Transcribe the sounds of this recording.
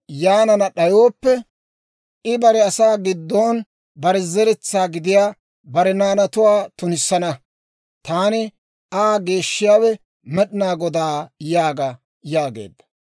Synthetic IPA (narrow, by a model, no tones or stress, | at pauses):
jaːnɐnɐɗɐjoːpːɛ | ʔɪbɐɾɛɐsaːɡɪd̪ːoːn | bɐɾɛzɛɾɛt͡sːaːɡɪd̪ɪjaː | bɐɾɛnaːnɐt̪ʊwaːt̪ʊnɪsːɐnɐ | t̪aːnɪ | aːɡe̞ːʃːɪjaːwɛ | mɛɗɪnaːɡɔd̪aːjaːɡɐ | jaːɡḛːd̪ːɐ̥